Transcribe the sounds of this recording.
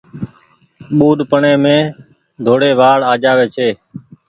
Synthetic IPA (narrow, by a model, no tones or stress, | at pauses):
ɓuːɗpəɳẽːmẽː | d̪ʱoːɽeːʋaːɽaːd͡ʒaːʋeːt͡ʃʰeː